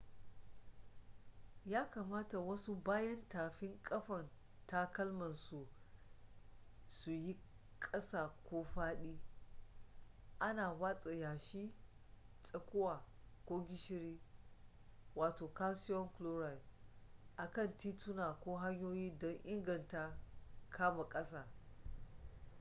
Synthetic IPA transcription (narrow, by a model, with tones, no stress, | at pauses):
jaː˦ka˨maː˦ta˨wɐ˦su˦baː˦jɐ˦ntaː˨ɸɪ˦ŋkʼɐ˦ɸɐ˨n | ta˦kɐ˦lmɐ˨nsu˨ | su˨ji˦ | kʼɐ˦saː˨kʷoː˦ɸaː˦ɗiː˦ | ʔa˦naː˨waː˦t͡sʼe˨jaː˨ʃi˦ | t͡sʼɐ˨kʷʊ˦waː˨kʷo˦ɡʲɪ˦ʃɪ˦ɾiː˦ | waː˨toː˨ka˦sɪ˦jɔ˦ŋklo˦ɾa˨l | ʔa˨kɐ˦˨ntiː˦tu˦na˨kʷoː˦ɦa˦ɲjoː˦jiː˦dɔ˦ŋʔɪ˦ŋɡɐ˨nta˦kʰaː˦ma˨kʼɐ˦sa˨